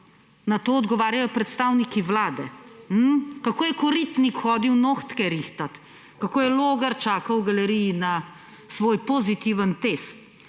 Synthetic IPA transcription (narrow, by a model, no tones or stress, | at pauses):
nat̪oːɔd̪ɡɔʋaːɾjajɔpɾɛt̪st̪awnikiʋlaːd̪ɛ̰m̩kakoːjɛkɔɾit̪nikxɔːd̪iwnoːxt̪kɛɾixt̪at̪ | kakoːjɛloːɡɐɾt͡ʃaːkɐwɡɐlɛɾijina | sʋoːjpozit̪iʋənt̪est̪